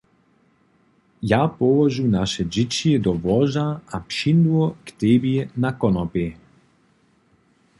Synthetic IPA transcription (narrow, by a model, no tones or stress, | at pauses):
japɔvɔʒunaʃɛd͡ʒit͡ʃiɛd̪ɔvɔʒaapʃind̪uɔkt̪ɛbiɛnakɔnɔpɛ